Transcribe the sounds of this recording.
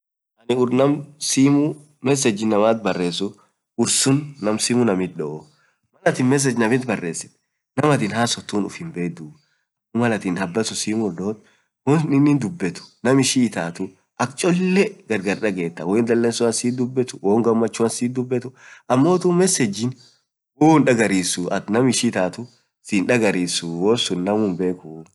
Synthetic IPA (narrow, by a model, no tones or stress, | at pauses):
ʔɐnɪʊɾnɐmsiːmʊ | mɛs̬ɛd͡ʒːɪnːɐmaːt̪̚bɐrːe̞ːs̬ʊ | ʊɾsʊnːɐmsiːmʊnɐmɪt̪̚ᶑɔʔɔ | mɐlɐt̪iːnmɛs̬ːɛd͡ʒnɐmɪt̪̚bɐrːe̞ːsːɪ̥t̪ | nɐmɐt̪ɪːnɦaːsɔt̪ːuːnʊ̰fɪnbe̞ːd̪uː | ʊmɐlɐt̪iːnɐbːɐsʊsiːmʊɾᶑoːt̪ | wɔnnɪnːiːnd̪ʊbːɛt̪ʊ̥nɐmɪʃit̪aːt̪ʊ | ʔɐkt͡ʃʼɔlːɛɡɐɾɡɐɾᶑɐɡe̞ːt̪ːɐwɔɪnd̪ɐlːeːnsʊɐnsiːd̪ʊbːɛt̪ʊ̥woːŋɡɐmːɐt͡ʃːʊɐnsiːd̪ʊbːɛt̪ʊʔɐmːo̞ːt̪umɛsɛd͡ʒɪn | woːnᶑɐɡɐɾiːsʊʔɐnɐmɪʃit̪aːt̪ʊ | siːnᶑɐɡɐɾiːsʊwoːsʊnnɐmuːmbe̞ːkʊ